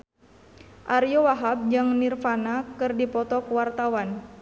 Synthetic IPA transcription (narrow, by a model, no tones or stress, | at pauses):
ʔaɾijɔwaɦab̚d͡ʒaŋnirfanakɨrdipɔt̪ɔkuwart̪awan